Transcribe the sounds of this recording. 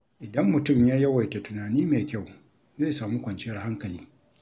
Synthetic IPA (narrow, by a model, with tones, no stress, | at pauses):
ʔɪ˨dɐ˦mːʊ˨tʊ˦˨mjaː˦jɐ˦wɐ˨jta˨tʊ˨naː˨niː˦meː˨kʲa˦˨w | zeː˦saː˨mu˦kʷɐ˨nt͡ʃɪ˦jɐ˦rɦa˦ŋkɐ˨liː˦